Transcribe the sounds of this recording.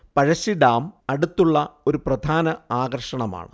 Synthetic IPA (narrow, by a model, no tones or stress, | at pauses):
pɐɻɐɕiɖaːmɐɽut̪ːuɭːɐo̞ɾuprɐd̪ʱaːnɐaːɣɐrʂɐɳɐma̰ːɳɨ